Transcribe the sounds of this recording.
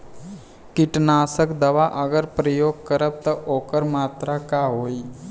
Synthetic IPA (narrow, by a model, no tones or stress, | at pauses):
kiʈnasəkd̪əʋaʔəɡəɾpɾəjoɡ̚kəɾəp̚t̪əokəɾmat̪ɾakaɦoi